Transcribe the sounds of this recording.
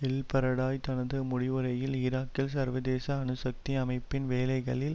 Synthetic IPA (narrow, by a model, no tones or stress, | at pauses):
ɛlpɐɾɐɽaːjt̪ɐnɐðɯmʊɽɪʋɯɾɐjɪlɪɾaːkːɪlsɐɾʋɐðeːsɐːnɯsɐk̚t̪iɐmɐɪpːɪnʋeːlɐɪɣɐɭɪl